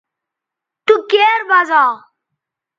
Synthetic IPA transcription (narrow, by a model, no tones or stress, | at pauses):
t̪uːkeːɾbaːzaː